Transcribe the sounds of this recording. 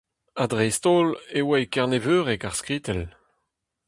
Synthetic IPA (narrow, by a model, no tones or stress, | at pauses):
adʁɛst̪oːlewɛjkɛʁnevøːʁɛkaʁskʁiːtɛl